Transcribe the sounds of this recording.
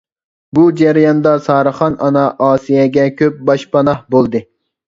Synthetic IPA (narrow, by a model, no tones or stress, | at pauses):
bud͡ʒæɾjɑnd̪ɑsɑːɾɨχɑnʔɑnɑʔɑːsijɛɡʲɛkʲʰøp̚bɑʃpɑnɑhbolˠd̪ɨ